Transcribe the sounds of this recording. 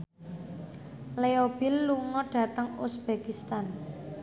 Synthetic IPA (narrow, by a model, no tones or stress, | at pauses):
leob̥ɪlːuŋɔɖ̥ä̤t̪əŋusb̥ekist̪an